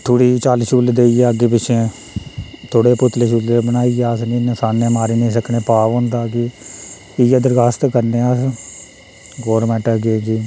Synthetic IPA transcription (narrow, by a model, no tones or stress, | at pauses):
t̪ʰoːɽiːt͡ʃaːlʃuːld̪eːiːeːəɡeːp̬ɪt͡ʃʰẽː | t̪ʰoːɽeːpʊt̪leːʃuːleːbənaːiːeəsnĩːnəsaːnːẽːmaːɾiːneĩːs̬əkʰnẽːpaːʋɦõːnd̪aːkɪ | ɪjəd̪əɾɡaːst̪kəɾnẽːəs | ɡoːɾmɛːʈəɡeːɡiː